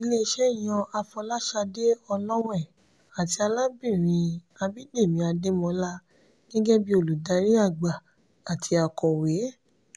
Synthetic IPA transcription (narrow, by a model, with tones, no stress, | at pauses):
i˧le˦˧ʃɛ˦i˦˨j̃ɔ̃˧a˧fɔ˧la˦ʃa˧de˦ɔ˧lɔ̃˦w̃ɛ̃˦˨ | a˨ti˧a˧la˦bĩ˦˨ɾ̃ĩ˧ | a˧bi˦de˦˨mĩ˧˦a˧de˦mɔ̃˧la˦ | ɡ̥ɛ˦ɡɛ˦bi˦o˧lu˨da˨˧ɾi˦a˦˨ɡ͡ba˨ | a˨tʰi˧˦a˧kɔ˨we˨˦